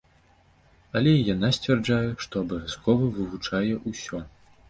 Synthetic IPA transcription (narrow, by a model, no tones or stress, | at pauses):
ɐlʲɛjanasʲt͡sʲvʲɛrd͡ʐajɛʂt̪ɔɐbɐvʲjaskɔvɐvɨvut͡ʂajɛʔusʲɔ